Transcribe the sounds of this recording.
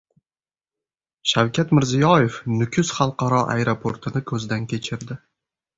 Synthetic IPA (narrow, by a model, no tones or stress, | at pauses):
ʃawkʲʰat̪mɪɾzijɒje̞fnʊkʲʰʊz̥χɑlˠqɑɾɒʔa̰jɾopʰoɾt̪ʰɪnɪkʰɵzd̪ankʲe̞t͡ʃʰɪɾd̪ɪ